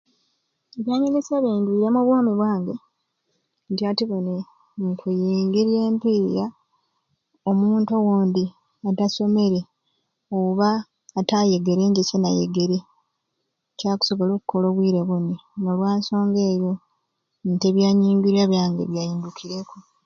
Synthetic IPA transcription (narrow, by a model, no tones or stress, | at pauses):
eβjaːɲiŋɡisaβiːndwiːɾemuβwoːmiβwaːŋɡe | ntiatiβone̞ | ŋkʰujiːŋɡiɾie̞ːmpija | omuːnto̞woːnd̪i | ataso̞me̞ɾe̞ | oβaː | taje̞ɡe̞ɾe̞ːɲɟecenajḛɡe̞ɾe | caːku̥so̞βoloːku̥ko̞lo̞βwiːɾe̞βuninolwaːnso̞ːŋɡe̞ːjo̞ | nte̞βjaːɲiːŋɡiɾiaβjaːŋɡḛβjaːjiːndukʰiɾeku